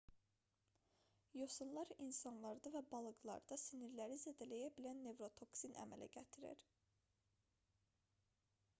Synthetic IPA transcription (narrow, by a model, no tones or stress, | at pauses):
josunlˠɑɾinsɑnlˠɑɾd̪ɑvæbɑlˠɯɡlˠɑ̰ɾd̪ɑsiniɾlæɾized̪ælæjæbilænːe̞vɾo̞t̪ʰo̞ksinʔæ̰mæ̰lʔæ̰ɟæt̪ʰiɾḭɾ